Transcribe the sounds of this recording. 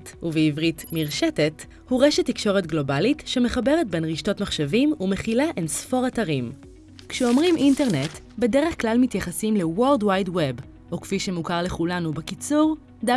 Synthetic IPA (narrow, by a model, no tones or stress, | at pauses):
tuveivʁitmiʁʃetet | huʁeʃetːikʃo̞ʁetɡlo̞balitʃe̞me̞χabeʁet̚be̞nʁiʃto̞tmaχʃevimume̞χilaʔensfo̞ʁataʁim | kʃeomʁimʔinte̞ʁne̞t | be̞de̞ʁeχklalmitjaχasimle̞woldwajdweb | ʔokfiʃe̞mukaʁle̞χulanubekit͡suʁ | da